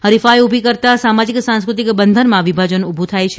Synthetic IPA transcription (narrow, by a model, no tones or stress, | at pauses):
ɦəɾifajubʱikəɾt̪asamad͡ʒiksãnskɾut̪ikbənd̪ʱənmãʋibʱad͡ʒənubʱut̪ʰajt͡ʃʰe